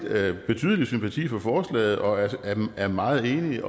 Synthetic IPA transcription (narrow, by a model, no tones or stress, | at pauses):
b̥e̝t͡sʰy̰ːðˠəlisympʰæt͡sʰḭːfɒ̽fɒːslɛ̰ːɪð̞̩ˠʔɒ̽æææɐmɑ̈ːð̞̩ˠe̝ːni